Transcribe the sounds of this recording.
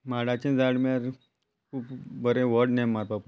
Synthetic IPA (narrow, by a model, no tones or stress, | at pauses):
maɽat͡ɕẽd͡zaɽmaɾ | kʰuːpbəɾẽʋəɾɖnemːaɾpapu